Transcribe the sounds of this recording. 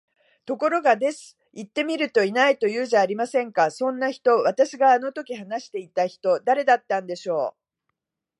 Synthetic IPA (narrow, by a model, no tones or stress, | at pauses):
t̪o̞ko̞ɾo̞ɡad̪e̞sɨ̥ | it̪ːe̞mʲiɾɯ̟t̪o̞inait̪o̞jɯ̟ːʑaːɾʲimasẽ̞ŋkasõ̞nːaçi̥t̪o̞βat̪aɕiɡaːno̞t̪o̞kʲiɦanaɕi̥t̪e̞it̪açi̥t̪o̞d̪aɾe̞d̪at̪ːãnd̪e̞ɕo̞ː